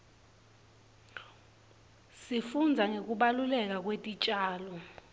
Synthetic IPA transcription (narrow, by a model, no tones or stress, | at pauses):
sifund͡zʱaŋʱek̬ʼuɓalulɛk̬ak̬ʼwetʼit͡ʃʼaːlɔ